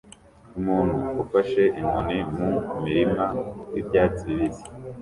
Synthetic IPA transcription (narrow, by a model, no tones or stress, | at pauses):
umuːnhuufaʃe̞ʔimunimumiɾimajibɟaːt͡siβize̥